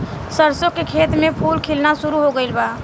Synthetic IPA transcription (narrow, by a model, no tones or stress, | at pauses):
səɾsokekʰet̪mepʰulkʰilnasuɾuɦoɡəɪlba